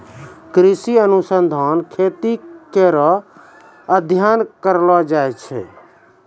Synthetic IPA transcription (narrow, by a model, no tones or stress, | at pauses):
kɾisiənusənd̪ʱankʰet̪ikeɾɔ | əd̪ʱjankəɾlɔd͡ʒajt͡ʃʰɛ̰